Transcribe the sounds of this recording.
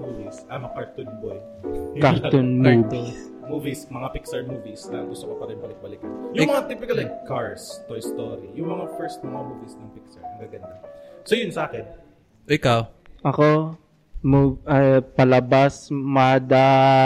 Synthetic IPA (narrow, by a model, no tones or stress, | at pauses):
muvisɐmɐkaɹt̪ʊnboj | kaɾt̪ʊnmuːbis | muːvismɐŋapiksɛɹmuːvisnɐɡʊst̪okɐpɐt̪ɐ̃bɐlɪk̚bɐlɪk̚ɐjʊŋmɐŋat̪ipɪkɐlɐkaɹst̪ojst̪oɾijʊŋmɐŋafɛɹst̪̚mɐŋamuːvisnɐŋpik̚sɐɹnɐɡaɡɐnd̪asojʊnsɐʔaːkɛn | ʔɪkawʔɐko | muʔɐpɐlɐbasmaːd̪ɐ